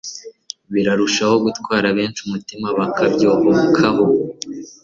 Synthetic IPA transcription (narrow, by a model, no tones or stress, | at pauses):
βiɾaɾuʃaho̞ɡutkwaːɾaβe̞ːnt͡ʃumutimaβakabjo̞ːβokʰaɦo